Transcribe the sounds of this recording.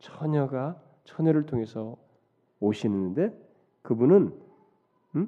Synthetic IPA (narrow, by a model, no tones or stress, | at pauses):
t͡ɕʰʌɲʌɡa | t͡ɕʰʌɲʌɾɯɭtʰoŋe̞sʰʌ | oɕʰinɯnɯnde̞ | kɯbunɯn